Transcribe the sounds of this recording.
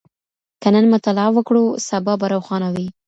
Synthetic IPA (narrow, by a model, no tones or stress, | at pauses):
kənənmat̪alɑwəkɽusabɑbaɾawxɑnawi